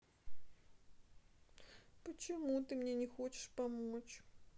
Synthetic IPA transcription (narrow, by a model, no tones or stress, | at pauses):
pət͡ɕɪmut̪ɨmnʲenʲɪxot͡ɕɪ̥ʂpɐmot͡ɕ